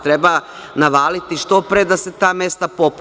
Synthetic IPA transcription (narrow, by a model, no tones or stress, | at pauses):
t̪ɾeba | naʋaːlit̪iʃt̪opɾed̪aset̪aːme̞st̪apop